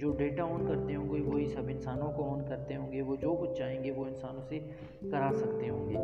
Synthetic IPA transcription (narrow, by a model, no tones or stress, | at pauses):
d͡ʒoːɖeːʈaoːnkɐɾt̪eɦõːɡeʋoːɦisɐbɪnsaːnõkoɔːnkɐɾt̪eɦõːŋɡeʋod͡ʒoːkʊt͡ʃʰd͡ʒaːɦẽːŋɡeʋoɪnsaːnõse | kɐɾaːsɐkt̪eɦõːŋɡeː